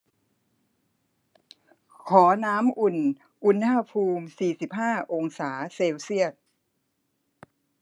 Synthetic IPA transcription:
kʰɔː˩˦naː˦˥mʔu˨˩n | ʔu˧nːa˧pʰuː˧msiː˨˩si˨˩p̚haː˥˩ʔo˧ŋsaː˩˦seː˧wsi˥˩ət̪̚

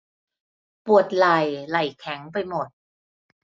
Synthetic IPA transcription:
pu˨˩ət̪̚la˨˩jla˨˩jkʰɛ˨˩˦ŋpa˧jmo˨˩t̪̚

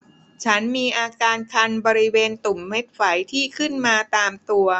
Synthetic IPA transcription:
t͡ɕʰa˦˥nmiː˧ʔaː˧kaː˧nkʰa˧nbɔː˧ɾi˦˥weː˧nt̪u˨˩mːe˦˥t̪̚fa˩˦jt̪ʰiː˥˩kʰɯ˥˩nmaː˧t̪aː˧mt̪u˧ɐ

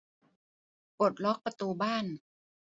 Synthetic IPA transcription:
po˨˩t̪̚lɔ˦˥k̚pa˧t̪uː˧baː˥˩n

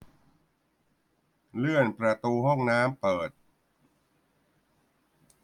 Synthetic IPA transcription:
lɯ˥˩ənpɾa˧t̪uː˧hɔ˥˩ŋnaː˦˥mpɤː˨˩t̪̚

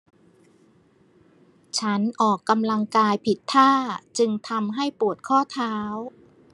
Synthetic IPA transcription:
t͡ɕʰa˦˥nʔɔː˨˩kːa˧mla˧ŋkaː˧jpʰi˨˩t̪ʰːaː˥˩t͡ɕɯ˧ŋt̪ʰa˧mɦa˥˩jpu˨˩ət̪̚kʰɔː˥˩t̪ʰaː˦˥w

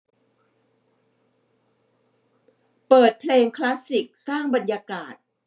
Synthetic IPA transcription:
pɤː˨˩t̪̚pʰleː˧ŋkʰla˦˥si˨˩k̚saː˥˩ŋba˨˩njaː˧kaː˨˩t̪̚

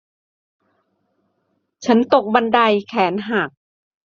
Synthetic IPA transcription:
t͡ɕʰa˦˥nt̪o˨˩k̚ba˧nda˧jkʰɛː˩˦nɦa˨˩k̚

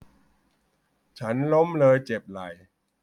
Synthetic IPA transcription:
t͡ɕʰa˦˥nlo˦˥mlɤː˧jt͡ɕe˨˩p̚la˨˩j

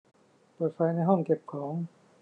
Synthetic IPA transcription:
pɤː˨˩t̪̚fa˧jna˧˥jɦɔ˥˩ŋke˨˩p̚kʰɔː˩˦ŋ

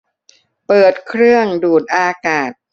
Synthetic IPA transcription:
pɤː˨˩t̪̚kʰɾɯ˥˩əŋduː˨˩t̪̚ʔaː˧kaː˨˩t̪̚

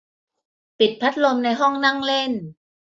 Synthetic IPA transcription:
pi˨˩t̪̚pʰa˦˥t̪̚lo˧mna˧jɦɔ˥˩ŋna˥˩ŋle˥˩n

